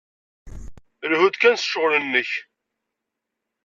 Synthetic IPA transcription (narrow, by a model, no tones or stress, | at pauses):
əlhud̪kænsə̥ʃʊʁlənːəç